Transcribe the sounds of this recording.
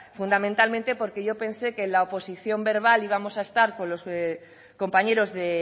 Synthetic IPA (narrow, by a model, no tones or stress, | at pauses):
fund̪amẽnt̪almẽnt̪e̞po̞ɾkeʝo̞pe̞nsekenlaopo̞siθjo̞mbe̞ɾβ̞aliβamo̞saest̪aɾko̞nlo̞s | ko̞mpaɲe̞ɾo̞zðe